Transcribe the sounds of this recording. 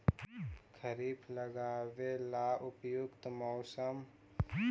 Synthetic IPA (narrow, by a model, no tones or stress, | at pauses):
kʰəɾiːplɐɡaːʋelaːʔʊpjʊkt̪mɔːsəm